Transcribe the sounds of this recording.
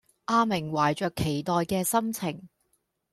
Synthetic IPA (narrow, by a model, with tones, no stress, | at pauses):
ʔaː˧mɪ˨˩ŋwaː˨˩jt͡ʃœː˨kʰːe˨˩jt̪ɔː˨jkɛː˧sɐ˥mt͡sʰɪ˨˩ŋ